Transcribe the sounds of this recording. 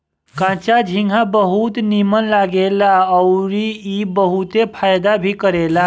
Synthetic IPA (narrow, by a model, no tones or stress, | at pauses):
kãt͡ʃad͡ʒʱiŋɡʱãbəɦut̪nimənlaɡelaəwɾiibəɦut̪epʰajd̪abʱikəɾela